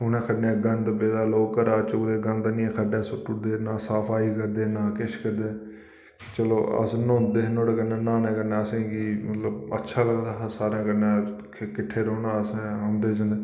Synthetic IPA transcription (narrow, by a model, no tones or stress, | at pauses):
ɦʊnɛ̃ːkʰəɖɛ̃ːɡənd̪beːd̪aːloːkːəɾaːt͡ʃod̪eːɡənd̪nĩːkʰəɖɛːsʊʈːʊd̪eːnaːsaːpʰaːiːkəɾd̪eːnãːkɪʃkəɾd̪eː | t͡ʃəlo̰ːə̰snõːnd̪eːɦnoːɽeːkənɛ̃ːnaːnɛːkənɛːəsẽːɡiːmət̪ləbə̰tːʃʰaːləɡd̪aːɦsaːɾãːkənɛ̃ː | kɪʈʰːeːɾoːnaːəsẽɦõːnd̪eːd͡ʒãːnd̪eː